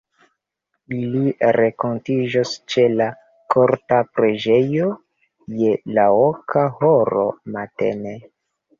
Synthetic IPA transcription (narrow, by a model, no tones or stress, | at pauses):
iliɾeko̞ntid͡ʒost͡ʃe̞la | kʰoɾtapɾe̞d͡ʒe̞jo̞ | je̞laokʰahoɾo̞̰matḛne